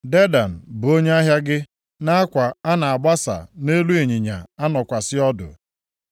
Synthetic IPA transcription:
de˦da˨n̩˨bʊ˨o˦ɲe˦a˦ɦja˦ɡɪ˦ | na˦a˦kʷa˨a˦na˨a˨ɡ͡ba˦sa̰˨ne˦lu˦e˨ɲi˨ɲa̰˨a˦nɔ˨kʷa˨sɪ˦ɔ˦dʊ̰˨

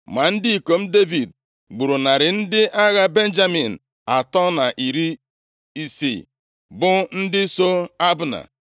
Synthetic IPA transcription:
ma˨n̩˦dɪ˦i˨ko˨m̩˦de˦vi˨d̚ | ɡ͡bu˨ɾu˨na˨ɾɪ˨n̩˦dɪ˦ʔa˦ɣa˦be˦n˦d͡ʒa˦mi˨n̩˨ | a˨tɔ˦na˨ʔi˨ɾi˦ | i˦sḭ˨ | bʊ˦n̩˦dɪ˦so˦a˦bʊ˦na̰˨

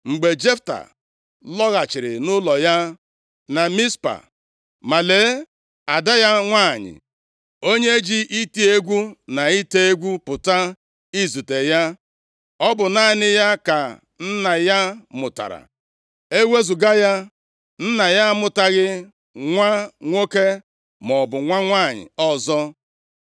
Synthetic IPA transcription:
ŋ͡m̩˨ɡ͡be˨d͡ʒe˦fta̰˨ | lɔ˦ɣa˨t͡ʃɪ˨ɾɪ̰˨nʊ˦lɔ˨ja˦ | na˨mi˦spa̰˨ | ma˨le˨˦ | a˨da˦ja˦ŋʷaː˦˨ɲɪ̰˨ | o˦ɲe˦d͡ʒi˦ʔi˦ti˦e˦ɡʷu˦na˨i˦te˦e˦ɡʷu˦pʊ˨ta˦ | i˦zu˨te˨ja˦ | ɔ˦bʊ˨na˦˨nɪ˦ja˦ka˨ | n̩˦na˨ja˦mʊ˨ta̰˨ɾa̰˨ | e˦we˦zu˨ɡa˦ja˦ | n̩˦na˨ja˦mʊ˨ta˦ɣɪ˦ | ŋʷa˦ŋʷo˦ke˦ | mɔ˨bʊ˨ŋʷa˦ŋʷa˦˨ɲɪ̰˨ɔ˦zɔ˦

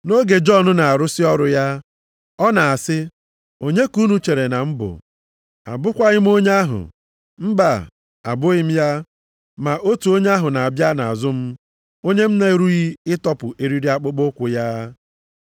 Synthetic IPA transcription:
no˦ɡe˨d͡ʒɔ˦˨nʊ˦na˨a˨ɾʊ˦sɪ˦ɔ˦ɾʊ˦ja˦ | ɔ˦na˨a˨sɪ˦ | o˦ɲe˦ku˦nu˨t͡ʃe˨ɾe˨na˨m̩˦bʊ̰˨ | a̰˨bʊ˦kʷa˦ɣɪ˦m̩˦o˦ɲ˦a˦ɦʊ̰˨ | m̩˦ba˨ | a̰˨bʊ˦ɣɪ˦m̩˦ja˦ | ma˨ʔo˦tu˨o˦ɲe˦a˦ɦʊ˨na˨a˨bja˦na̰˨a˨zʊ˦m̩˦ | o˦ɲe˦m̩˦na˦e˦ɾu˦ɣi˦ɪ˦tɔ˦pʊ˨ʔe˨ɾi˦ɾi˦a˦k͡pʊ˦k͡po˦kʷʊ˨ja˦

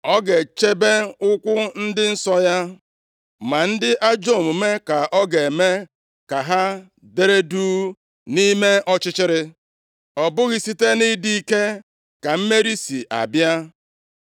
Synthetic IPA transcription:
ɔ˦ɡe˨t͡ʃe˦be˦ʊ˦kʷʊ˦n̩˦dɪ˦n̩˦sɔ˦ja˦ | ma˨n̩˦dɪ˦ʔa˦d͡ʒo˦˨mu˨me˦ka˨ʔɔ˦ɡe˨me˦ | ka˨ɦa˦ | de˦ɾe˦duː˦ | ni˦me˦ɔ˦t͡ʃɪ˦t͡ʃɪ˦ɾɪ˦ | ɔ˨bʊ˦ɣi˨si˦te˦ni˦di˦i˦ke˦ | ka˨m̩˦me˦ɾi˦si˨ʔa̰˨bja˦

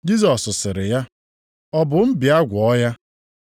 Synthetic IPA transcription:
d͡ʒi˦zɔ˨sʊ˨sɪ˨ɾɪ˨ja˦ | ɔ˦bʊ˨m̩˦bi˨a˦ɡʷɔ˦ja˦

